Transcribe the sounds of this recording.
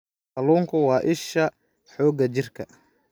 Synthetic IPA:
qɐluːŋkʰʊwɑːʔɪʃɐ | ħɔːɡɐt͡ʃɪrkʰɐ̰

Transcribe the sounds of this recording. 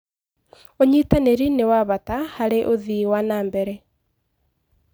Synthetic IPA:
oɲitaneɾinewaβatahaɾeʔoðiwanaːmbɛɾɛ

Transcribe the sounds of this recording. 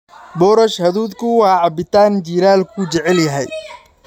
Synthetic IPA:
bɔːɾɐʃhɐðuːd̪kʰʊwɑːʕɑbɪt̪ʰaːnt͡ʃiːɾaːlkʰʊt͡ʃɛʕɛljɐɦɛj

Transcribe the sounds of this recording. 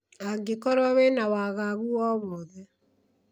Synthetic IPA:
aɡekɔɾɔwenawaːɣaɣuɔːβɔðɛ

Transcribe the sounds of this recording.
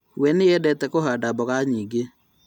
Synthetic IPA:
wɛneɛdɛtɛkoɦaːdabɔɣaɲiːɡe

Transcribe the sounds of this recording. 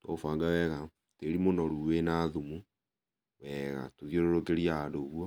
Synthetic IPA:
twɔfaːŋɡawɛɣa | teɾimonɔɾuːwenaːðumu | wɛɣa̰toðioɾoɾoɡeɾiaadoɣuwɔ

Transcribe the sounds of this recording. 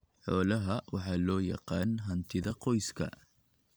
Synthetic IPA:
ħoːlɐɦɐwɑħaːlɔːjɑ̰qɑːnɦɐnt̪ʰɪðɐqɔjskʰɐ̰

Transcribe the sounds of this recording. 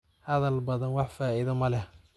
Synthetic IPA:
hɐðɐlbɐðɐnwɑħfaːɪðɐmɐlɛh

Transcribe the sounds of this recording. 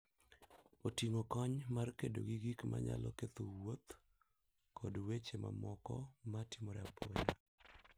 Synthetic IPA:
otiŋokɔɲmarkedoɡiɡikmʔa̰ɲa̰lɔket̪owot̪ | kʰɔdwet͡ʃema̰mɔkɔmatimɔɾɛapʰɔɲa

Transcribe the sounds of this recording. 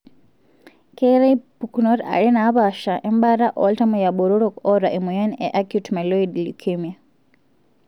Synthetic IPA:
keɾejpuknoɾa̰ɾinaβaʃaʔembaɾaʔo̰ltamujaɓoɾoɾokoɾaʔemujanḛʔakjutmeloidlukʰemia

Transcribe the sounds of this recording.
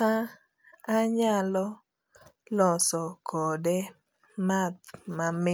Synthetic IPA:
a | aɲalɔ | lɔsɔkʰɔdɛ | mat̪̚mame

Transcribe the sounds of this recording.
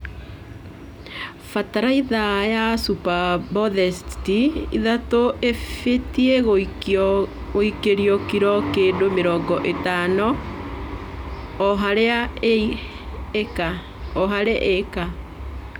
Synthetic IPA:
fataɾaiðajasupabɔðɛstiḭðatoʔefetiɛɣo | ɣoikeɾiɔkiɾɔkeːndomeɾɔːŋɡɔʔetanɔ | ɦaɾea | eka | ɔɦaɾeʔeka

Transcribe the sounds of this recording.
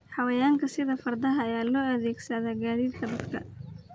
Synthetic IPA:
ħɑwɐjaːŋkʰɐsɪðɐfɐrd̪ɐɦɐɐjaːlɔːɐðɛːɡsɐðaːɡaːðiːd̪̚kʰɐd̪ɐd̪kʰɐ̰

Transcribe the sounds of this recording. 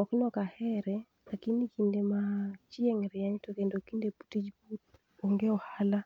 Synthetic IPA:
ɔknɔkahɛɾɛ | lakinikʰindemat͡ʃɪɛŋɾɪaɲtokendokindepu̥tid͡ʒput̚ | oŋɡeɔhala

